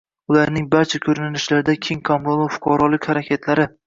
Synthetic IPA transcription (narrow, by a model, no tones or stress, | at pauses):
ʊlaɾnɪŋbaɾt͡ʃʰakʲʰɵɾɪnɪnɪʃlaɾɪd̪akʲʰeŋkʰamɾolˠofʊ̥qʰɑɾɒlˠɪkʲhaɾakʲʰet̪ʰlaɾɪ